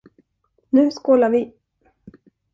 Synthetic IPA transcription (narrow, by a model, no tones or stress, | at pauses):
nʉ̟ːskoːlaɾvɪ